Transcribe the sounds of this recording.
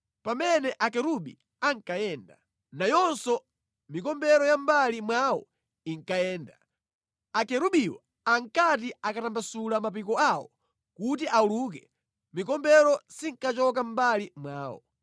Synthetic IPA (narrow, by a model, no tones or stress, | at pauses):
pamɛnɛʔakɛɾuɓḭ | aŋkajɛːnda | najɔnsɔ | mikɔmbɛɾɔjambalimwawɔ̰ | iŋkajɛːnda | akɛɾuɓiwɔ | aŋkat̬iakatambasulamap̬ikɔawɔ̰ | kutiʔauluːk̬ɛ | mikɔmbɛɾɔsiŋkat͡ʃɔkambalimwaːwɔ̰